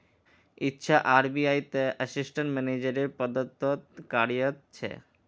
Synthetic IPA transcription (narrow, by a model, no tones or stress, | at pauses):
itːɕʰaʔaɾbiajt̪eəsisʈaɳʈmɛnid͡ʑeɾeɾpɔd̪ot̪ːot̪kaɽijot̪t͡ɕʰḛ